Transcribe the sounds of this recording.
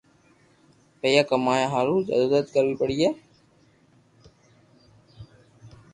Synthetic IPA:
pəjaːkəmaːjaːɦaːlũːd͡ʒə̰d̪oːdət̪̚kəɾʋiːpəɽiːɦeː

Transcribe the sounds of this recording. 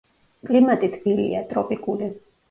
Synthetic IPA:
kʼlimat̪ʼit̪ʰbilḭat̪ʼɾɔpʼikʼuli

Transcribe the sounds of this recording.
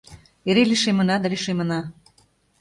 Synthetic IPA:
eɾeliʃemə̆nɑd̪aliʃemə̆nɑ

